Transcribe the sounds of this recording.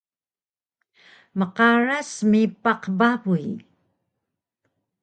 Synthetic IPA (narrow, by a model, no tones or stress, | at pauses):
məqaɻasmipaqbaβuji